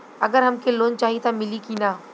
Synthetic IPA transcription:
ɐɡəɾɦɐmkʰeloːnt͡ʃaːɦit̪amɪlikinaː

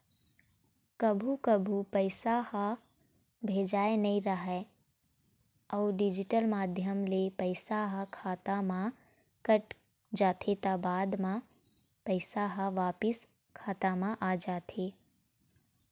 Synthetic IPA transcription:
kɐbʱukɐbʱupɐɪsaha | bʱeːd͡ʒaːenɐɦĩɾɐɦɛ | ɔːɖɪd͡ʒɪʈəlmaːd̪ʱjəmlepəɪsaɦakʰaːt̪amã | kɐʈ | d͡ʒaːt̪ʰet̪abaːd̪mã | pɐɪsaɦaʋaːpɪs | kʰaːt̪amãʔaːd͡ʒaːt̪ʰeː

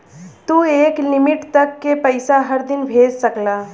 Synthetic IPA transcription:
t̪uːeːklɪmɪʈt̪ɐkːepəɪsaɦɐɾd̪ɪnbʱeːd͡ʒsɐklaː

